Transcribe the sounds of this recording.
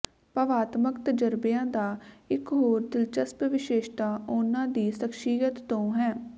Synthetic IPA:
pəʋaːt̪məkt̪əd͡ʒəɾbɪjãːd̪aːɪkɦoːɾd̪ɪlt͡ʃəspʋɪʃeːʃt̪aːʊnãːd̪iːsəkʃiːjət̪ːõːɦɛː

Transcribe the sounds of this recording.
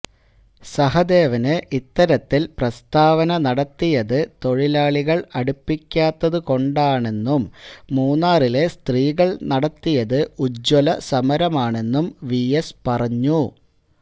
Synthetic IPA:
sɐɦɐd̪e̞ːʋɐnɨʔit̪ːɐɾɐt̪ːilprɐst̪aːʋɐnɐnɐɽɐt̪ːijɐðɨt̪o̞ɻilaːɭiɣɐɭɐɽupːikʲːaːt̪ːɐðɨko̞ɳɖaːɳe̞nːumːuːnːaːrile̞st̪riːɣɐɭnɐɽɐt̪ːijɐðɨud͡ʑolɐsɐmɐɾɐmaːɳe̞nːumʋijɐspɐrɐɲːu

